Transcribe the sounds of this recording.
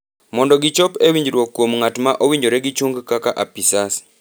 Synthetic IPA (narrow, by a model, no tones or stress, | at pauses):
mondoɡit͡ʃopewiːɲd͡ʒiɾwokuomuŋatumaʔowiɲd͡ʒoɾeɡit͡ʃuŋɡukakaʔapisasi̥